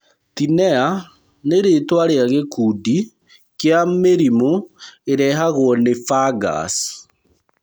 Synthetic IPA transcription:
tinɛa | neɾetwaɾeaɣekudi | kjameɾimoeɾɛɦaɣwɔnefaɡa̰s

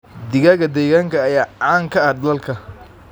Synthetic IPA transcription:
d̪ɪɣɐɣɐd̪ɛːɣaːŋkʰɐːjaːʕaːŋkʰɐɐd̪ɐlɐlkʰɐ

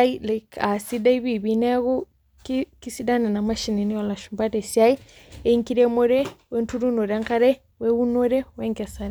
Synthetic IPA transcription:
ailɛkʰasidaiβiβinɛɣu | kkisidanɛnamaʃininiɔlaʃumbatesiai | eiŋkiɾemoɾɛwɛntuɾunoɾaŋkaɾɛ | wɛunoɾɛwɛŋkɛsaɾ

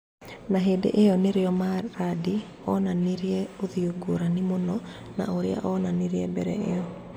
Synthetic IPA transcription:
naɦedḛʔejɔnɪɾeɔmaɾadi | ɔnaniɾjɛoðioɡoɾanɪmonɔna̰oɾea̰ʔɔnaniɾeɛbɛɾɛ̰ḛɔ

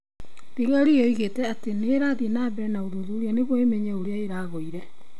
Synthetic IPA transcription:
ɾeɣaɾiɔiɣetɛateneːɾaːðenabɛɾɛnaoðoðuːɾeaneɣwɔemeɲɛoɾeaeɾaːɣoiɾɛ

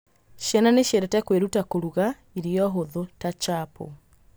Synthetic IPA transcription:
ʃjɛnaneʃjeɾɛtɛkweɾutakoɾuɣa | iɾiɔɦoðotat͡ʃapo̰

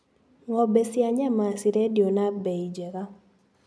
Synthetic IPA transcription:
ŋɔbesjaɲɛmasiɾedjonabeid͡ʒeka

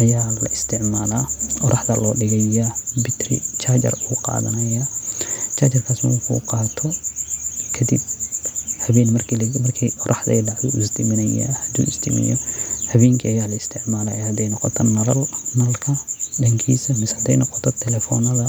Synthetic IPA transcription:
ʔɐjaːlɐ̰ʔɪst̪ʰɪʕmaːlaʔɔɾʔɐħd̪ɐlɔːɖɪɣɛɐbɪt̪rɪ̰t͡ʃaːt͡ʃɐ̰ruːqɑ̰ːðɐ̰nɐjat͡ʃʰaːt͡ʃɐrkʰaːsmɐwħṵːqɑːt̪ʰɔ | kʰɐd̪ḭb | hɐβɛːnmɐrklmɐrkʰiʔɔɾʔɑħd̪ɐ̰jɖɑʕdṵɪst̪ʰɪmɪnɐja̰hɐd̪ṵːɪsd̪ɪmɪ̰jɔhɐβɛːŋkʰiɐjaːlɐɪst̪ʰɪʕmaːla̰ːhɐd̪ɛjnɔqɔt̪ʰɐnɐlɐlnalkʰɐɗɐŋkʰḭːsɐmɪshɐd̪ɛjnɔqɔ̥t̪ʰɔt̪ʰɛlɛfɔnɐðɐ

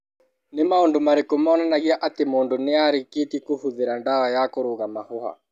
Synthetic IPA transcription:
nemaondomaɾekomaːnanaɣiaʔatemoːndoneaɾiketikohuðeɾandaɣajakoɾoɣamahoha̰

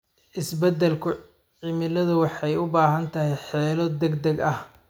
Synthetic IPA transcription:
ʔɪsbɛd̪ɛlkʰʊ | ʕɪmɪlɐðʊwɑħɑjʊbaːɦɐnt̪ʰɐhɛjħɛːlɔd̪ɛɡd̪ɛɡɐh

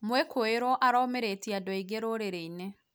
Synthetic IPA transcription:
mwɛkʰoeɾwɔʔaɾɔmeɾetiadɔiɡeɾoɾeɾeine

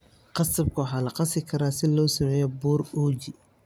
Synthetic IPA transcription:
qɑsɐb̚kʰʊwħaːlɐqɑsɪkʰɐɾaːsɪlɔːsɐmɛːjɔbuːruːd͡ʒɪ

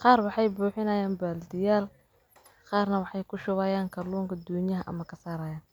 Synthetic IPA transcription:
qɑːrwɑħɑjbuːħɪnɐjaːnbaːld̪ɪjaːl | qɑːrnɐwɑħɑjkʰʊʃʊɣaːjaːŋkʰɐluːŋkʰɐd̪ɔːnjɐɦɐʔɐ̰mɐkʰɐsaːɾaːjaːn

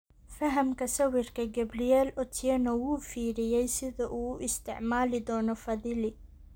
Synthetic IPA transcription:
fɐɦɐmkʰɐsɐwɪrkʰɐɡɐbɾɪjɛːlɔt̪ʰɪɛnɐwuːfiːɾɪjɛjsɪðɐʔuːʔɪst̪ʰɪ̰ʕmaːlɪd̪ɔːnɔfɐðɪlɪ

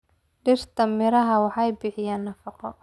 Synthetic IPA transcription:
ɖɪrt̪ʰɐmɪɾɐɦɐwɑħɑjbɪħɪjaːnːɐfɑqɔ

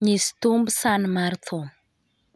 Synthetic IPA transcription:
ɲist̪umbsanmart̪ʰo

